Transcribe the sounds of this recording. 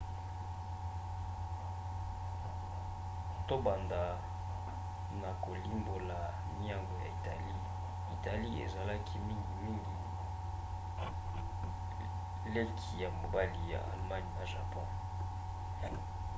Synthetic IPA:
to˦ba˨nda˨ | na˨ko˨li˦mbo˨la˨ | ni˦a˦ŋɡo˨ja̰˨i˨ta̰˨li˦ | i˨ta˨li˦ḛ˨za˨la˦kʰi˦mi˦ŋɡi˨mi˦ŋɡi˨ | le˦kʰi˨ja˨mo˨ba˦li˦ja̰˨ʔa̰˨lma˦ni˨na˨ʒa˨pɔ̰̃˦

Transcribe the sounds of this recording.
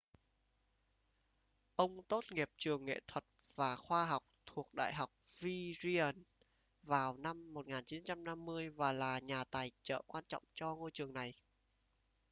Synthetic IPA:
ʔə˧wŋ͡mt̪o˦˥t̚ŋi˨˩əp̚t͡ɕɨ˨˩əŋːḛ˧˨t̪ʰwə˨˩t̚v̥aː˨˩xwaː˧ɦa˨˩wk͡p̚t̪ʰu˨˩ək̚ɗa̰ː˧˨jɦa˨˩wk͡p̚vi˧zi˧ə˨˩n | vaː˨˩wna˧mːo˨˩t̚ŋaː˨˩nt͡ɕi˨˦nt͡ɕa˧mna˧mːɨ˧əjvaː˨˩laː˨˩ɲaː˨˩t̪aː˨˩jt͡ɕə̰ː˧˨kwaː˧nt͡ɕɔ̰˧˨wŋ͡mt͡ɕɔ˧ŋo˧jt͡ɕɨ˨˩əŋna˨˩j

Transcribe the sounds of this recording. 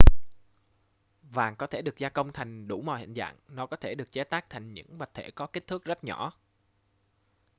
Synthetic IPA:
vaː˨˩ŋkɔ˨˦t̪ʰe˧˩ɗɨ˨˩ək̚zaː˧kə˧wŋ͡mt̪ʰa˨˩jŋ̟ɗu˧˩mɔ̰˧˨hḭ˧˨ŋza̰ː˧˨ŋnɔ˨˦kɔ˨˦t̪ʰe˧˩ɗɨ˨˩ək̚t͡ɕɛ˨˦t̪aː˦˥k̚t̪ʰa˨˩jŋ̟ɲɨ̰˧˥ŋɓa˨˩t̪ʰe˧˩kɔ˨˦ki˦˥k̚t̪ʰɨ˦˥k̚zə˦˥t̚ɲɔ˧˩˨

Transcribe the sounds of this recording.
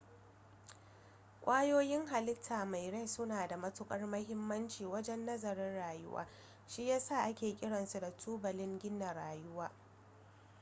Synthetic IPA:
kʷʼaː˦joː˦jɪ˦ŋɦa˨lɪ˦tʰaː˨ma˨jɽe˦sʊ˦naː˨da˨mɐ˦tʊ˦kʼɐ˦rmɐ˦ɦɪ˦mːɐ˦nt͡ʃiː˨wɐ˦d͡ʒɛ˦nːɐ˦zɐ˨ɾɪ˦nɽaː˨jʊ̰˦wa̰ː˦ | ʃi˦jaː˦sa˦˨ʔa˦kʲeː˨kʲʼɪ˦ɽɐ˨nsu˨da˨tʰuː˦bɐ˨lɪ˦ŋɡʲɪ˦nːɐ˨ɽaː˨jʊ˦waː˦

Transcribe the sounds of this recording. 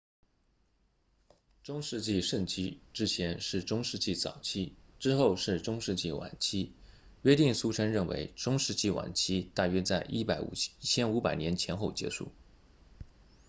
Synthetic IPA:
ʈ͡ʂʊ˥ŋʂɻ̩˥˧t͡ɕi˥˧ʂə˥˩nt͡ɕʰi˥ʈ͡ʂɻ̩˥t͡ɕʰjɛ˧˥nʂɻ̩˥˩ʈ͡ʂʊ˥ŋʂɻ̩˥˧t͡ɕi˥˩t͡sɑ̰˨˩ʊt͡ɕʰi˥ʈ͡ʂɻ̩˥xo˥˧ʊʂɻ̩˥˩ʈ͡ʂʊ˥ŋʂɻ̩˥˧t͡ɕi˥˩wa̰˨˩nt͡ɕʰi˥ | ɥɛ˥t̪i˥˩ŋsu˥ʈ͡ʂʰə˥nɻə˥˩nwḛ˧˥ɪʈ͡ʂʊ˥ŋʂɻ̩˥˧t͡ɕi˥˩wa̰˨˩nt͡ɕʰi˥t̪a˥˩ɥɛ˥t͡sa˥˩ɪʔi˥˩pa˧˥ɪṵ˨˩t͡ɕʰjɛ˥nu˧˥pa˨˩ɪnjɛ˧˥nt͡ɕʰjɛ˧˥nxo˥˩ʊt͡ɕjɛ̰˧˥ʂṵ˥˩

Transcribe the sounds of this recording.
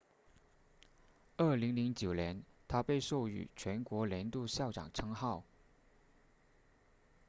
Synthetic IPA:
ə˥˩li˧˥ŋli˧˥ŋt͡ɕjo˨˩ʊnjɛ˧˥nt̪ʰa˥pe˥˧ɪʂo˥˩ʊy̰˨˩t͡ɕʰɥɛ˧˥nkwɔ˧˥ljɛ˧˥nt̪u˥˧ɕjɑ˥˩ʊʈ͡ʂɑ̰˨˩ŋʈ͡ʂʰɤ˥ŋxɑ˥˩ʊ

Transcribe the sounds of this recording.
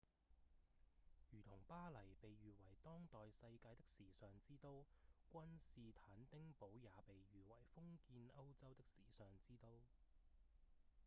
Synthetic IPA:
jyː˨˩t̪ʰʊ˨˩ŋpaː˥lɐ˨˩jpe˨jɥyː˨wɐ˨˩jt̪ɔː˥ŋt̪ɔː˨jsɐ˧jkaː˧jt̪ɪ˥k̚siː˨sœː˨ŋt͡siː˥t̪o˥wkʷɐ˥nsiː˨t̪ʰaː˨˥nt̪ɪ˥ŋpo˨˥wjaː˨˧pe˨jjyː˨wɐ˨˩jfʊ˥ŋkiː˧nɐ˥wt͡sɐ˥wt̪ɪ˥k̚siː˨˩sœː˨˩ŋt͡siː˥t̪o˥w

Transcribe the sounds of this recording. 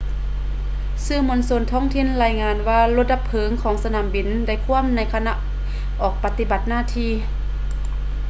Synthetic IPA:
sɯː˧˩mo˧˥nso˧˥˨nt̪ʰɔː˧˥˨ŋt̪ʰi˧˥˨nlaː˧˩jŋaː˧nwaː˧lo˧t̪̚ʔla˧pʰːɤː˨˦ŋkʰɔː˨˦ŋsa˧naː˨˦mbi˨˧˨nda˧˩jkʰu˧˥˨əmna˧˥jkʰa˧na˧˥ʔ | ʔɔː˨˩k̚pa˧t̪i˧ba˨˩t̪̚naː˧˥˨t̪ʰiː˧

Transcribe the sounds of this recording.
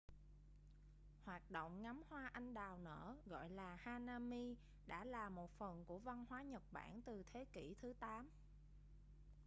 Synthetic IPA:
hwaː˨˩t̚ɗo̰˧˨wŋ͡mŋa˨˦mhwaː˧ʔa˧jŋ̟ɗaː˨˩wnə̰ː˧˥ɣɔ̰˧˨jlaː˨˩haː˧naː˧mi˧ | ɗa̰ː˧˥laː˨˩mo˨˩t̚fə˨˩nku˧˩əva˧nhwaː˨˦ɲə˨˩t̚ɓa̰ː˧˩nt̪ɨ˨˩t̪ʰe˨˦kḭ˧˩t̪ʰɨ˨˦t̪aː˨˦m

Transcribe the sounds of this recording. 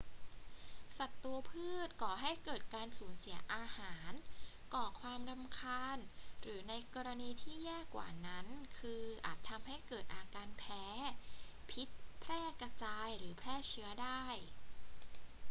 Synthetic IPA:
sa˨˩t̪ːu˧ɐpʰɯː˥˩t̪̚kɔː˨˩ɦa˥˩jkɤː˨˩t̪̚kaː˧nsuː˩˦nsi˩˦ɐʔaː˧haː˩˦n | kɔː˨˩kʰwaː˧mɾa˧mkʰaː˧nɾɯː˩˦na˧jkɔː˧ɾa˧niː˧t̪ʰiː˥˩jɛː˥˩kːwa̰ː˨˩na˦˥nkʰɯː˧ʔa̰ː˨˩t̪ʰːa˧mha˥˩jkɤː˨˩t̪̚ʔaː˧kaː˧npʰɛː˦˥ | pʰi˦˥t̪̚pʰɾɛː˥˩ka˧t͡ɕaː˧jɾɯː˩˦pʰlɛː˥˩t͡ɕʰɯ˦˥ɐdaː˥˩j

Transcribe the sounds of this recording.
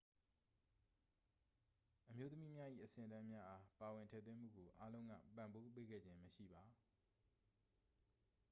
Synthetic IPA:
ʔəmjo˦t̪əmi˦mja˦ʔḭ˦˨ʔəsɪ̃˦˨ə˨dã˦mja˦ʔa˦pa˨wɪ̃˨ntʰɛ̰˦˨t̪wɪ̃˦m̥ṵ˦˨ɡo˨ʔa˦lõ˦ʊ̃ŋɡä̰˦˨pã˨mbo˦pe˦ɡɛ̰˦˨d͡ʑɪ̃˦məʃḭ˦˨ba˨

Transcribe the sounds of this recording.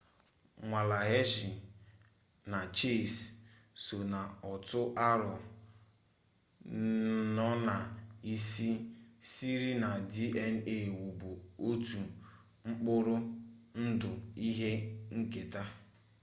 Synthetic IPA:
ŋʷa˨la˨ɦe˦ʒi˨ | na˨t͡ʃe˦˨s | so˨na˨ɔ˨tʊ˦ʔa˦ɾʊ˨ | nɔ˦na˨i˦si˦si˦ɾi˦na˨di˦e˦n̩˦e˨wu˨bu˨o˦tu˨ | ŋ͡m̩˦k͡pʊ˦ɾʊ˦n̩˦dʊ˨i˦ɦe˦ŋ̩˦ke˨ta˦

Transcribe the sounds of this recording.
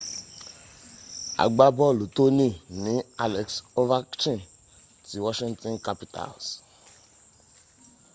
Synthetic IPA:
a̰˨ɡ͡ba˦bɔ˦˨lu˨to˦nĩ˦˨nĩ˨˦a˦lɛ˨kso˦va˦t͡ʃĩ˦n | ti˨˦wɔ˦ʃĩ˦ŋtɔ̃˦nka˦pi˨ta̰˨ls

